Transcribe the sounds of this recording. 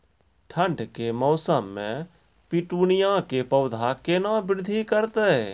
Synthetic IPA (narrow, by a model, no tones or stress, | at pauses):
ʈʰə̃ɳɖkemɔːsəmːḛ̃ | piʈunijãkepəʊd̪ʱakenabɪɾd̪ʱikəɾt̪e